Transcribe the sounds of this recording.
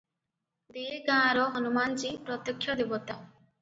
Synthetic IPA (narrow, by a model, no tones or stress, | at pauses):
d̪eːɡãːɾɔɦɔnumant͡ʃipɾɔt̪jəkʰːjɔd̪ebɔt̪a